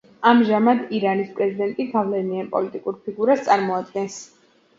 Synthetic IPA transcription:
amʒamad̪iɾanispʼɾɛzid̪ɛnt̪ʼiɡavlɛnianpʼɔlit̪ʼikʼuɾpʰiɡuɾast̪sʼaɾmɔad̪ɡɛns

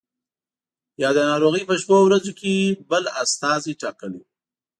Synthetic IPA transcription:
jɑd̪ənɑɾoɣəjpəʃpowɾazokebəlast̪ɑziʈɑkəli

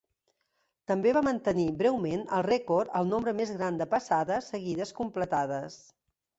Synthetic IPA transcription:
t̪əmbeβamənt̪əniβɾɛwmenəlˠrɛkoɾt̪əlˠnombɾəmezɣɾand̪əpəsaðəsəɣiðəskumplət̪aðəs

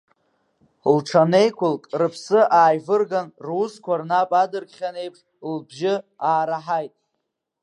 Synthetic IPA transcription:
lʈ͡ʂʰane̞jkʷʊlkʼrɨpʰsɨʔaːjvɨrɡanruskʷarnapʼadɨrkʲχʲane̞jpʰʂ | lbʒɪaːɾaħajtʼ

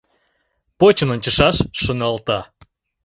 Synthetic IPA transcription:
pot͡ɕənonʲt͡ɕəʃɑʃːənɑlt̪ɑ

